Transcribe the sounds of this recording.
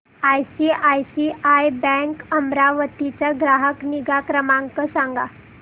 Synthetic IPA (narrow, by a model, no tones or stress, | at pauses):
ajsiʔajsiʔajbɛ̃ŋkəmɾaʋət̪it͡ɕjaɡɾaɦəkniɡakɾəmãŋkəsãŋɡa